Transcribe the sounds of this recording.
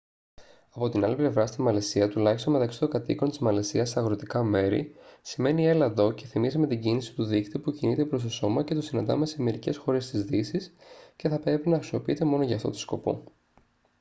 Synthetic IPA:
ɐpo̞t̪inɐliple̞vɾɐst̪inmɐlesiɐt̪ulɐçist̪o̞nmet̪ɐksi̥t̪oɡɐt̪iko̞nt̪izmɐle̞siɐsɐɣɾo̞t̪ikɐme̞ɾḭsime̞nie̞lɐðo̞ce̞θimisme̞t̪iɟinisi̥t̪uðikt̪ipucinit̪e̞pɾo̞st̪o̞so̞mɐce̞t̪osinɐnd̪ɐ̰me̞se̞me̞ɾice̞sxo̞ɾe̞st̪izðisisce̞θɐpɾe̞pinɐxɾisio̞piit̪e̞mo̞no̞ʝɐːft̪o̞̰t̪o̥sko̞̰po̞̰

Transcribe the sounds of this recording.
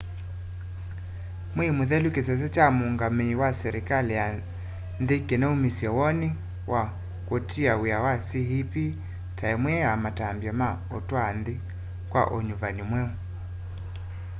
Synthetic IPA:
mwimuðɛlukisɛs̬ɛt͡ʃamuŋɡamiwasɛɾikalija | nðikɛnɛumisiɔwɔni | wʔa | kɔtiaujawasiɦipi | taɛmwɛamatambjɔma | ɔtwanði | kwa̰ʔɔɲuvanimwɛu

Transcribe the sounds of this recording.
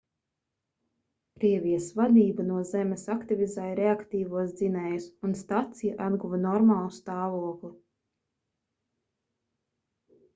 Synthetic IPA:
kɾiɛvʲijɐsvad̪iːbanuɔzɛmesakt̪ivʲizajɾeakt̪iːvuɔsd̪zinɛjusunst̪at̪sijaʔad̪ɡuvanɔɾmaːlˠust̪aːvuɔklˠi

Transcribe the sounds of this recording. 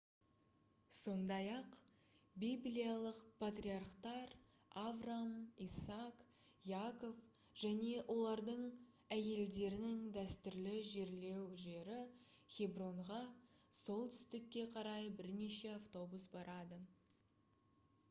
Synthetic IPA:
so̞nd̪ɑjɑq | bijblijalˠəqpʰat̪rʲiarqt̪ɑɾ | avramisak | ijako̞f | ʒ̥æne̞wʔo̞lˠɑɾd̪əɴ | æje̞ld̪e̞ɾɪnɪŋd̪æst̪ʏɾlɪʒe̞ɾle̞wʒe̞ɾɪ | χʲebro̞ɴʁɑ | so̞lˠt̪ʰʏ̥st̪ɪkʲːe̞qʰɑɾɑjbɪɾne̞ʃe̞aft̪o̞busbɑɾɑd̪ə

